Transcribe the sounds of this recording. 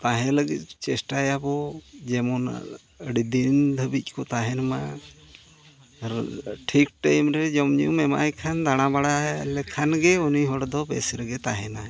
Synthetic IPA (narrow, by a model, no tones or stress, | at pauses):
t̪aɦɛ̃ləɡit̪̚t͡ʃɛsʈajabɔd͡ʒɛmɔna̰ | əɽid̪ind̪ʱəbic̚ˀkɔt̪aɦɛnma | ʈʰik̚ʈajmɾɛd͡ʒɔmɲumɛma̰jkʰand̪aɽ̃abaɽalɛkʰanɡɛuniɦɔɽd̪ɔbɛsɾɛɡɛt̪aɦɛna